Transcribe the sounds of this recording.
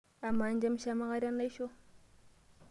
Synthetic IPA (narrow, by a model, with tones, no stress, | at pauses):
a˨mːa˨˦nd͡ʒa˦m˦ʃa˦ma˦ɣa˦ɾʲa˦na˦i˦ʃo˦